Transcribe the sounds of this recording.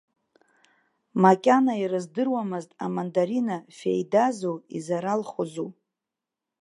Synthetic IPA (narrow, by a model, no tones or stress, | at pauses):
makʲʼanairɨzdɨrwamɨztʼamandaɾinafḛjdazowizaɾalχozu